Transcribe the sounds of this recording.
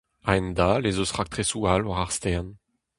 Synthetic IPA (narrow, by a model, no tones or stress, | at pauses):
aɛnd̪alezosʁak̚t̪χesualwaʁaʁst̪ɛʁn